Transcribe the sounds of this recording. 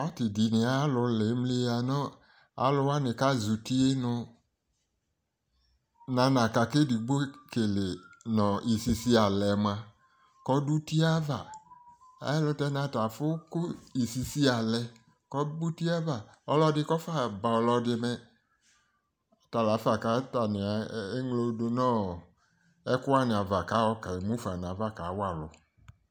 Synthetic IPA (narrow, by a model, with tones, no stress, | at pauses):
ɔ˦tɪ˨di˨nɪ˨a˦lʊ˧le˨˦m˦li˦a˨nɔ˦ | a̰˨˦lʊ˦wa˦nɪ˨ka˦zu˨ti˦e˦nʊ˧ | nã˨˦nã˨ka˨kɪ˦di˨ɡ͡bo˦ke˨le˨nɔ̃˨i˨si˨si˦a˨lɛ˨mã˨ | kɔ˨˦du˦ti˦a˦va˨ | ɛ̰˦lʊ˦tɛ˦nã˨ta˨fʊ˦kʊ˦i˨si˧si˦a˨lɛ˧ | kɔ˦bu˦ti˦a˦va˨ɔ˧lɔ˧dɪ˧kɔ˦fa˦˨ba˨ɔ˧lɔ˧dɪ˧mɛ˧˨ | ta˨la˨˦fa˨ka˨˦ta˨nɪ˨a˨e˦ŋlo˧do˧nɔ̃ː˦ | ɛ˦kʊ˦wa˦˨nɪ̃˨a˨va˨ka˨˦wɔ˦ka˨i˨mũ˦fa˨n˨ã˨˦va˦˨ka˨˦wa˦˨lʊ̰˨